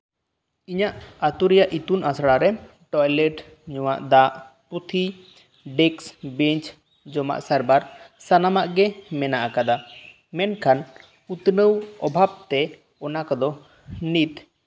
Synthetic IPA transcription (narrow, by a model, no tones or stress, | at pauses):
iɲaʔat̪uɾijaʔit̪unʔasɽaɾɛ | ʈɔjlɛʈ | ɲɔwa̰ʔd̪aʔ | put̪ʰi | ɖɛksbɛɲt͡ʃ | d͡ʒɔma̰ʔsaɾbaɾsanamaʔɡɛmɛnaʔakad̪a | mɛnkʰan | ut̪nəwɔbʱab̚t̪ɛ | ɔnakɔd̪ɔ | nit̪